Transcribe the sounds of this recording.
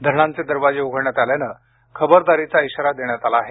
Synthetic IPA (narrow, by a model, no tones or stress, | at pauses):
d̪ʱəɾɳãnt͡sed̪əɾʋad͡ʑeuɡʱəɾɳjat̪aljanə | kʰəbəɾd̪aɾit͡saiɕəɾad̪eɳjat̪alaːɦe